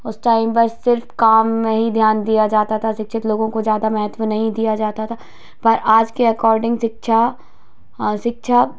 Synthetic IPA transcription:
ʊsʈaːɪmbɐsːɪɾfkaːmːẽɦid̪ʱjaːnd̪ijad͡ʒaːt̪at̪ʰaʃɪkʃʰɪt̪loːɡõkozjaːd̪amɛɦət̪ʋənɐɦĩd̪ijad͡ʒaːt̪at̪ʰa | pɐɾʔaːd͡ʒkiɐkɔːɾɖɪ̃ŋɡʃɪkʃʰa | ʃɪkʃʰa

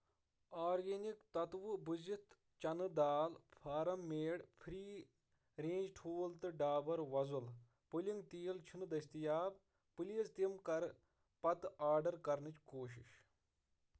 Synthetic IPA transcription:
aːɾɡenikt̪ɐt̪ʋubuzit̪ | t͡ʃɐnɨd̪aːlpʰaːɾɐmːeːɽpʰɾiː | ɾẽːd͡ʒʈʰuːlt̪ɨɖaːbɐɾʋɐzul | puliŋɡt̪iːilt͡ʃʰinɨd̪ɐst̪ijaːb | pɨliɐzt̪imkɐɾ | pɐt̪aːɖɐɾkɐɾnɨt͡ʃkoːʃ̬ḭʃ

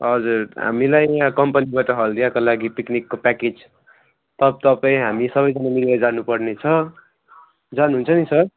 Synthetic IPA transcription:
ʌd͡zurɦa̰milajkʌmpʌnibaʈʌɦʌld̪iakolaɡipiknikːopaked͡z | t̪ʌb̚t̪ʌpaĩɦamisʌbʌjd͡zʌnamilbad͡zanupʌrnet͡sʰʌ | d͡zanuɦunt͡sʰʌnisʌr

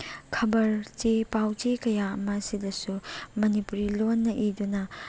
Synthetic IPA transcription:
kʰɐbɐɾt͡ʃepawt͡ʃekɐjaɐmɐːsidɐsumɐnipuɾilonːɐʔidunɐ

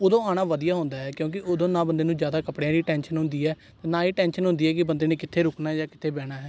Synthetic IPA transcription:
oːd̪õːaːɽ̃aːʋəd̪ijaːɦʊ̃ːnd̪aːɦɛːkjõːk̬ɪoːd̪õːnãːbənd̪eːnũːzjaːd̪aːkəpɽejãːd̪iːʈɛːnʃənɦʊ̃nd̪iːɛː | t̪eːnãːiːʈɛ̃ːnʃənɦʊ̃nd̪iːɦɛːkɪbənd̪eːneːkɪt̪ʰːeːɾʊknaːd͡ʒaːkɪt̪ʰeːbɛːɽ̃aːɦɛː

